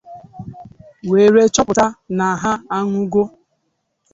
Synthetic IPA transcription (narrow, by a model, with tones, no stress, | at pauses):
we˨ɾe˦t͡ʃɔ˦pʊ˨ta˦na˨a˨ɦa˦a˦ŋu˦ɡo˦